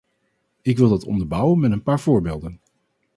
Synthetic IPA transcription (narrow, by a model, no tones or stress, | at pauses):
ɪkʋɪlˠdɑtɔ̰ndəɹbʌwənmɛtənpaːɹv̥ʊːɹbḛːlˠdən